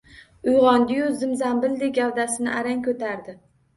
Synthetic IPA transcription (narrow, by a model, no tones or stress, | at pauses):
ʊjʁɒnd̪ɪjʊzɪmzambɪld̪ɪɡʲawd̪asɪnɪʔaɾaŋkʰɵt̪ʰaɾd̪ɪ